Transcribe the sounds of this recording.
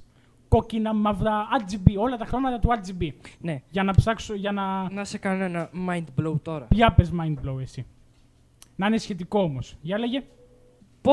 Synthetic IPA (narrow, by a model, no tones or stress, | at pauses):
ko̞cinɐmɐvdɐɐd͡zibio̞lɐt̪ɐxɾomɐt̪ɐt̪uɐd͡zibineʝɐnɐpsɐksoʝɐnɐnɐsekɐnenɐmɐjnd̪blowt̪o̞ɾɐpʝɐpezmɐjnd̪̚blowesi | nɐinesçe̞t̪̬iko̞omosʝɐleʝe̞ | po